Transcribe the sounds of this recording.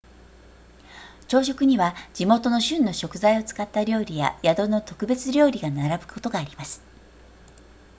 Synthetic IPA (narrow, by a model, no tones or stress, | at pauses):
t͡ɕo̞ːɕ̬o̞kɯ̟ɲ̟iβad͡ʑimo̞t̪o̞no̞ɕɨ̃nːo̞ɕo̞kɯ̟zaio̞t͡sɨ̥kat̪ːaɾʲo̞ːɾʲija̰jad̪o̞no̞t̪o̞kɯ̟be̞t͡sɨɾʲo̞ːɾʲiɡanaɾabɯ̟̥kʰo̞t̪o̞ɡaːɾʲimasɨ̥